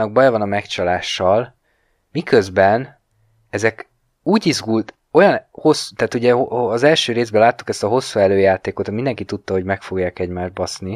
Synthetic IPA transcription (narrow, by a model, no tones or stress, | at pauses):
nɒɡ̚bɒjɒvɒnɒmɛkt͡ʃɒlaːʃːɒl | mikø̞zbɛn | ɛzɛk | uːɟizɡult̪ | o̞jɒnho̞su̥t̪aːt̪uɟɛːzɛlʃøːɾeːzbɛlaːt̪ːu̥kɛst̪ɒɦo̞sːuɛløːjaːt̪eːko̞t̪mind̪ɛŋkit̪ut̪ːɒho̞ɟmɛkfoɡjaːkɛɟmaːʒdbɒsni